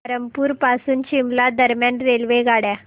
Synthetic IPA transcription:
ɾəmpuːɾpasuːnt͡ɕimlad̪əɾmjanɾelʋeɡaɽja

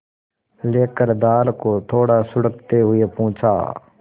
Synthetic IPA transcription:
leːkəɾd̪aːlkot̪ʰoːɽasʊɽək̚t̪eɦʊepũːt͡ʃʰa̰ː

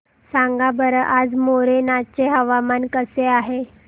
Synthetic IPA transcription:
sãŋɡabəɾəʔad͡zmoɾenat͡ɕeɦəʋamankəseaɦe

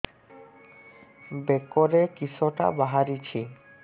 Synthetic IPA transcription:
bekoɾekisoʈa̰baɦaɾit͡ɕʰi

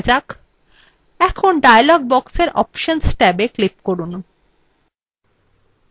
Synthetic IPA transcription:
d͡ʑak | ɛkʰonɖajalɔɡ̚bɔkseɾʔɔ̰pʃonsʈɛbeklip̚koɾun

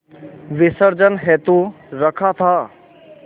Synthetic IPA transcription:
ʋɪsəɾd͡ʒənɦɛːt̪u | ɾəkʰat̪ʰaː

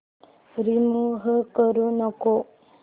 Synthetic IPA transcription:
ɾimuɦəkəɾunɔko

